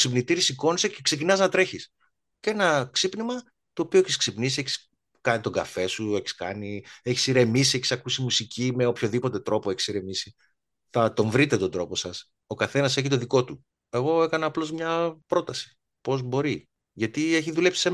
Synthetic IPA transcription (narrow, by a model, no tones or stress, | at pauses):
ksipnit̪iɾisiko̞nisecekse̞cinɐznɐt̪ɾe̞çis | cee̞nɐksipnimɐ | t̪o̞ːpioeçisksipnisieçi̥s | kɐnit̪o̞ɡɐ̰fe̞sue̞çi̥skɐ̰nieçi̥siɾe̞misieçi̥sɐkusimusicime̞opço̞ðipo̞t̪e̞t̪ɾo̞poeçi̥siɾe̞misi | θɐt̪o̞ɱvɾit̪e̞t̪ond̪ɾo̞po̞sɐs | o̞kɐθe̞nɐse̞çit̪o̞ðiko̞t̪u | e̞ɣo̞e̞kɐnɐːplo̞zmɲɐpɾo̞t̪ɐsi̥ | po̞zbo̞ɾi | ʝɐt̪ieçiðule̞psi̥se